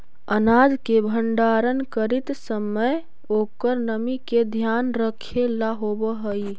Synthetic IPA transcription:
ənad͡ʒkebʱəɳɖaɾənkəɾit̪səməj | okəɾnəmiked̪ʱjanɾəkʰelaɦobəɦəj

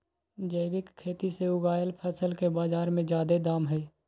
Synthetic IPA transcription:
d͡ʒəɪbɪkkʰːeːt̪iseʊɡaːjəlpʰɛːsəlkebaːzaːɾmẽd͡ʒjaːd̪ed̪aːmɦɛː

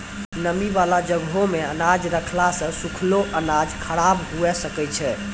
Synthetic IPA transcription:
nəmiʋalad͡ʒəɡɦõmeənad͡ʒɾəkʰlasə̃sukʰloʔənad͡ʒkʰəɽabɦuɛsəkɛt͡ʃʰɛ

